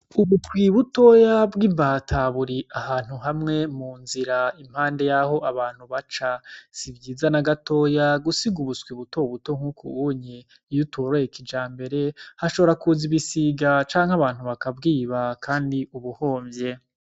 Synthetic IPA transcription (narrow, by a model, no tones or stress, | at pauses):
uβuskwiβuto̞ːjabɡimbatʰaβuɾiahaːn̥huɦamŋe̞muːnziɾaim̥haːnde̞jaho̞ʔaβaːn̥huβat͡ʃasibɟiːzanaɡato̞ːjaɡusiɡuβuskwiβuto̞βuto̞ŋ̥ukʰṵuɲe | jutoɾojekid͡ʒaːmbe̞ɾe̞haʃo̞βoɾakuziβisiɡat͡ʃaːŋ̥haβaːn̥huβakabɡiːβakʰaːndiuβuho̞ːmbje̞